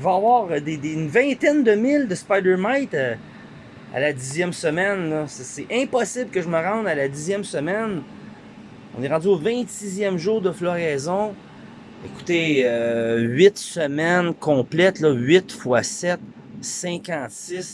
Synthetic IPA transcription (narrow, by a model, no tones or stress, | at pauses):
vaːvwɑːʁd̪ed̪eynvɛ̃t̪ɛnd̪əmɪld̪əspajd̪ɛɹnajt̪a | a̰lad̪izjɛmsəmɛnlɔssɛʔɛ̃pɔsɪblkəʒəməʁɑ̃d̪alad̪izjɛmsəmɛn | ɔ̰̃neʁɑ̃dzyovɛ̃t̪sizjɛmʒuːʁd̪əflɔʁɛzɔ̃ | eku̥t̪eøɥɪt̪səmɛnkʰɔ̃ːplɛt̪lɔɥɪt̪fwasɛt̪̚ | sɛ̃kɑ̃t̪sɪs